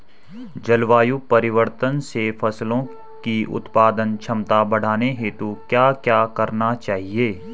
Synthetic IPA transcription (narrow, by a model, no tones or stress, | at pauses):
d͡ʒɐlʋaːjupɐɾɪʋəɾt̪ənsefʰɐslõ | kiʊ̰t̪paːd̪ənt͡ʃʰɐmt̪abɐɽ̤aːneɦet̪okjaːkjaːkɐɾnat͡ʃaːɦieː